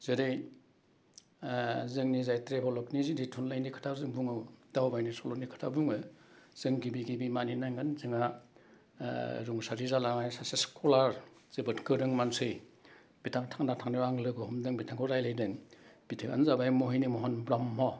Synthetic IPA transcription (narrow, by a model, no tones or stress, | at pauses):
zɯɾɯj | zɯŋnizajtɾepʰɔlɔkniziditʰunlajnikʰɯ̥tʰazɯŋbuŋɯwd̥awbajnisɔlɔknikʰɯ̥tʰabuŋɯz̥ɯŋɡibiɡibimaninaŋɡanzɯŋa | ɾuŋsaɾizalaŋajsaseskʰɔlaɾz̥ebɯtkɯɾɯŋmansɯj | bitʰaŋtʰaŋnatʰaŋnawaŋlɯɡɔhɔmdɯŋbitʰaŋkʰɔɾajlajdɯŋb̥itʰɯka̰nzabajmɔɦijnimɔɦɔnbɾamːɔ